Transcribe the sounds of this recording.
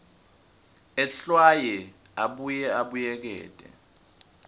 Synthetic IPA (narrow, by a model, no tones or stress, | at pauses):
ɛɬwajɛ | aɓujɛaɓujɛk̬ɛ̰ːtʼɛ̰